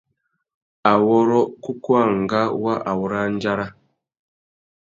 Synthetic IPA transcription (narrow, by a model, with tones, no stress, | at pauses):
a˨wɔ˦ɾɔ˦ku˦kwa˦˨ŋ̩˨ɡa˦wa˦ʔa˨wɔ˦ɾa˦n˦d͡ʒa˦ɾa˦